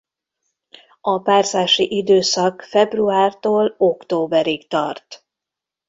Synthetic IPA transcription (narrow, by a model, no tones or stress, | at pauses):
ɒpaːrzaːʃiʔid̪øːsɒkfɛbruaːrt̪oːlo̞kt̪oːbɛɾikt̪ɒrt̪